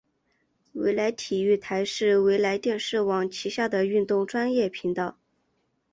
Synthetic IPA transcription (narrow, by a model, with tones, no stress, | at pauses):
wḛ˧˥ɪla˧˥ɪt̪ʰi˨˩y˥˩t̪ʰa˧˥ɪʂɻ̩˥˩we˧˥ɪla˧˥ɪt̪jɛ˥˧nʂɻ̩˥˩wɑ˨˩ŋt͡ɕʰi˧˥ɕja˥˩d̪ə˩y˥˧nt̪ʊ˥˩ŋʈ͡ʂwa˥njɛ˥˩pʰi˧˥ŋt̪ɑ˥˩ʊ